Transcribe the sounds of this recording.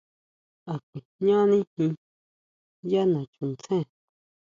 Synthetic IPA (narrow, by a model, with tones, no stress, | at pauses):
a˨kʷi˨ɲã˦nĩ˦hĩ˧ | ja˦nã˨t͡ʃũ˨nt͡sʰẽ˦˨